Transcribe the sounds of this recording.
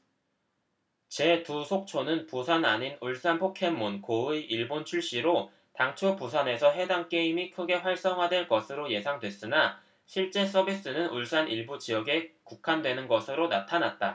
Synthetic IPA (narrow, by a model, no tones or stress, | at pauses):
t͡ɕe̞tusʰok̚t͡ɕʰonɯnpusʰanaɲinuɭs͈anpʰokʰe̞mːunkoɯiɭbont͡ɕʰuɭɕ͈iɾo | taŋt͡ɕʰopusʰane̞sʰʌɦe̞daŋk͈e̞imikʰɯɡe̞ɸwaɭs͈ʌŋɦadwe̞ɭk͈ʌsʰɯɾoje̞sʰaŋdwe̞s͈ɯna | ɕʰiɭt͡ɕ͈e̞s͈ʌbis͈ɯnɯnuɭs͈aniɭbud͡ʑiʌɡe̞kukʰandwe̞nɯnɡʌsʰɯɾonatʰanat̚t͈a